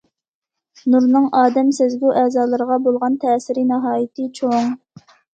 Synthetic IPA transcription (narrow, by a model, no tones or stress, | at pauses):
nuɾnɨŋɑːd̪ɛmsɛzɡʲuʔɛːzɑːlˠɨɾəʁɑbolˠʁɑnt̪ʰɛːsɪɾɪnɑɦɑːjit̪ʰɨt͡ʃʰoŋ